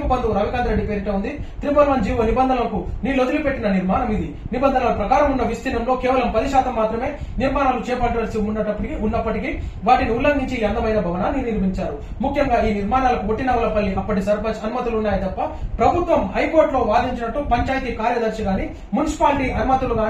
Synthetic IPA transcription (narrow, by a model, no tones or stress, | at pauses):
kubɐnd̪uɾaːʋikaːnd̪ɐɾeɖːipeːɾiʈɐund̪it̪ɾibɐɾʋɐnd͡ʒiːʋoːnibɐnd̪ʱɐnɐlɐkuniːlod̪ulipe̞ʈːinɐniɾmaːnɐmid̪i | nibɐnd̪ʱɐnaːlɐpɾɐkaːɾɐmunːɐʋist̪inɐmlo̞ːkeɛːʋɐlɐmpɐd̪iʃaːt̪ɐmːaːt̪ɾɐme̞ːniɾmaːnaːlut͡ʃɛːpɐʈːɐɐlsimunːɐʈɐpːɐʈikiʔunːɐpːɐʈikiʋaːʈiniulːɐŋɡiɲt͡ʃiːɐnd̪ɐmɐjnɐbʱɐʋɐnaniːɾniɾmiɲt͡ʃaːɾumukʰjɐŋɡaːiːniɾmaːnaːlɐkuo̞ʈːinɐʋɐlɐpɐlːiʔɐpːɐʈisɐɾpɐt͡ʃɐnumɐt̪uluunːaːjit̪ɐpːɐpɾɐbʱut̪ʋɐmhɐjko̞ːɾʈlo̞ːʋaːd̪iɲt͡ʃinɐʈːupɐɲt͡ʃaːjt̪iːkaːɾjɐd̪ɐɾʃiɡaːni | munisi̥paːlʈiʔɐnumɐt̪uluɡaː